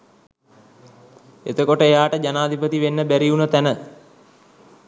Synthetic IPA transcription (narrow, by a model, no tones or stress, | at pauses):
et̪əkoʈəejaːʈəd͡ʒanaːd̪ʱipət̪iʋenːəbæɾiunət̪ænə